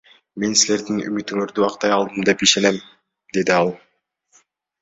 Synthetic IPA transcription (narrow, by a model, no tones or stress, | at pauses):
me̞nsile̞ɾd̪iny̰myt̪yŋøɾd̪yɑqt̪ɑjɑlˠd̪ɯmd̪e̞piʃe̞ne̞m | d̪e̞d̪iɑlˠ